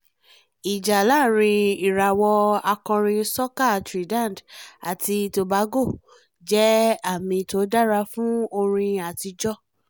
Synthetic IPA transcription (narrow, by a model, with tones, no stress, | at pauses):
i˨d͡ʒa˨la˦˨ɾ̃ĩ˧i˨ɾa˨wɔ˧a˧kɔ̃˧ɾ̃ĩ˧sɔ˦ka˦˨tɾi˨dã˦˨n˨da̰˨ti˧to˧ba˨˦ɡo˦˨ | d͡ʒɛ˦a˦˨mĩ˧to˨˦da˦ɾa˧˦fũ˦o˧ɾ̃ĩ˧a˨ti˧d͡ʒɔ˦